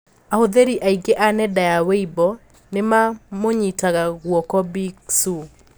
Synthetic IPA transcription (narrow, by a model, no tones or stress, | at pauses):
ahoðeɾiʔaiɡeʔanɛdajaweibɔ | nemamoɲitaɣaɣwɔkɔbiksu